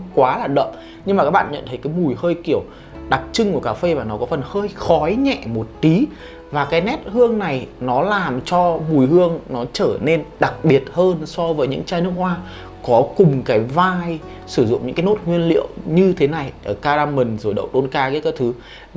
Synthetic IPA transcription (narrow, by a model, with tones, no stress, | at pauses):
kwaː˨˦laː˨˩ɗə̰˧˨ŋ͡m | ɲɲɨ˧ŋma˨˩kaː˦˥k̚ɓa̰ː˧˨nɲə̰˧˨nt̪ʰə˨˦jkaː˨˦jmu˨˩jhəː˧jki˧˩əw | ɗa˨˩k̚t͡ɕɨ˧ŋku˧˩əkaː˧˩fe˧vaː˨˩nɔ˨˦kɔ˨˦fə˨˩nhəː˧jxɔ˨˦jɲɛ̰˧˨mo˨˩t̚t̪i˨˦ | vaː˨˩kaː˨˦jnɛ˦˥t̚hɨ˧əŋna˨˩jnɔ˨˦laː˨˩mt͡ɕɔ˧mu˨˩jɦɨ˧əŋnɔ˨˦t͡ɕəː˧˩ne˧nɗa˨˩k̚ɓi˨˩ət̚həː˧nsɔ˧vəː˨˦jɲɨ̰˧˥ŋt͡ɕaː˧jnɨ˦˥ək̚hwaː˧ | kɔ˨˦kʊ˨˩ŋ͡mkaː˨˦jvaː˧j | sɨ˧˩zʊ̰˧˨ŋ͡mɲɨ̰˧˥kaː˨˦no˦˥t̚ŋwi˧ənlḭ˧˨əwɲɨ˧t̪ʰe˨˦na˨˩jʔəː˧˩kaː˧zaː˧mï˨˩ŋ̟zo˨˩jɗə̰˧˨wɗo˧nkaː˧kaː˨˦jkaː˨˦jt̪ʰɨ˨˦